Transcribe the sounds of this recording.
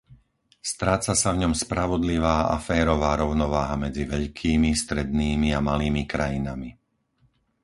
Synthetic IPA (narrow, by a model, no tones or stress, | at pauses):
st̪ɾaːt͡sasavɲɔmspɾaʋɔd̪liʋaːa̰fɛːɾɔʋaːɾɔʊnɔʋaːɦamɛd͡ziʋɛʎkʰiːmist̪ɾɛd̪niːmiamaliːmikɾajinami